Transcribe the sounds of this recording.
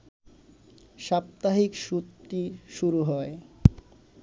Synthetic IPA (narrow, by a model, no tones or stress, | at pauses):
ʃap̚t̪aɦikʃut̪ːiʃuɾuɦɔe